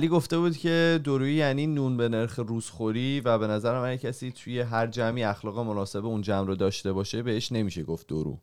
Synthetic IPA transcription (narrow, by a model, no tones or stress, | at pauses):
liːɡo̞ft̪e̞buːd̪cʰʲe̞d̪oɾuːijæniːnunbe̞ne̞ɾxeɾuːz̥xoɾiːvæbe̞næzæɾæmænjecʰæsiːt̪ʰuje̞ɦæɾd͡ʒæmiːæxlɒːɣe̞mo̞nɒːse̞beund͡ʒæmɾɔd̪ɒːʃt̪e̞bɒːʃe̞be̞heʃne̞miːʃeɡoft̪̚d̪o̰ɾṵ